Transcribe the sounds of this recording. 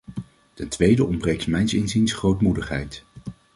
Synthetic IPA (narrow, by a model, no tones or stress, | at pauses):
tɛntʋejdəʔɔmbrejksmɛjnsɪnzinsχrowtmudəχɦɛ̰jt